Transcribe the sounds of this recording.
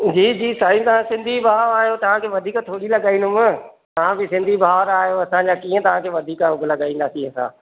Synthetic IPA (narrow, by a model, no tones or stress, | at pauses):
d͡ʑiːd͡ʑiːsaːĩt̪ɐʋ̤ãsɪ̃nd̪ʱibʱaːɾaːɦijot̪ɐʋ̤ãkʰeːʋɐd̪ʱiːkt̪ʰoːɽilɐɠaːĩːnd̪ʊmɪ̃ | t̪ɐʋ̤ãbɪsɪ̃nd̪ʱibʱaːʋɾaːɦijoɐsãɲd͡ʑaːkiːə̃t̪ɐʋ̤ãkʰeːʋɐd̪ʱiːkaʊɡʱlɐɡaːĩːn̆d̪aːsiɐsã̰ː